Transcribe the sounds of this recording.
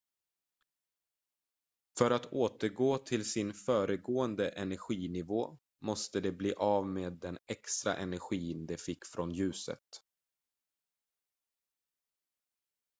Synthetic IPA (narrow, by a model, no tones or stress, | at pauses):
fœɾat̪ʰoːt̪əɾɡoːt̪ʰɪlsɪnfœːɾəɡoːənd̪əʔɛnæɾɧiːnɪvoː | mɔst̪əd̪ɛbliːʔaːvmeːd̪ːɛnɛkst̪ɾa̰ʔɛnæɾɧiːnd̪ɛfɪkːfɾɔnjʉ̟ːsə̰t̪